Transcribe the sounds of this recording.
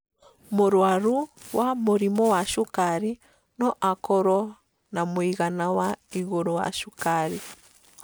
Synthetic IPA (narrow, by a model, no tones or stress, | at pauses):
moɾwaɾuwamoɾimɔwaʃukaɾi | nɔʔakɔɾɔ | namwiɣanawaiɣoɾowa̰ʃukaɾi